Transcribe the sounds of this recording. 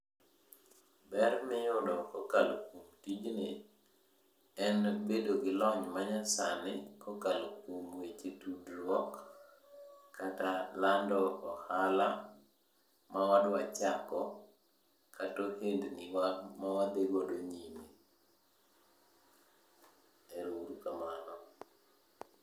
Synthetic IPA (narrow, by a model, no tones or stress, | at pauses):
bɛrmɪjʊdɔkɔkalokwomtid͡ʒnɪ | ɛnbedoɡɪlɔɲmaɲasanɪkɔkalokwomwet͡ʃetudɾwɔk | atalandɔɔhala | mawadwat͡ʃakɔ | kʰatohendnɪwamawad̪eɡodoɲime | ɛɾoɾukamanɔ